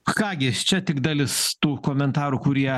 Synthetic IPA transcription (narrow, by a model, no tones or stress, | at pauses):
kɑːɡʲɪt͡ʃʲɛt̪ʲɪɡd̪ɑɐlʲɪst̪uːkoːmʲɛnt̪ɑːɾuːkʊɾʲiɛ